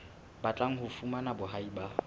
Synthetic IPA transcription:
bat͡ɬʼaŋ̩ɦʊfumanabʊɦaiba

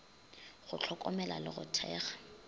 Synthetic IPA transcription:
ɣʊt͡ɬʰɔkʼɔmɛla̰lɪɣʊtʰɛ̰ːχḁ

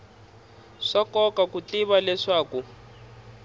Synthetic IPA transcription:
ʂakɔkakutiβalɛʂaːku

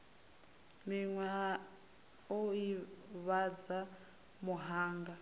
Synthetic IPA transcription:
niŋwa | oiβad͡za | muɦaːŋɡa

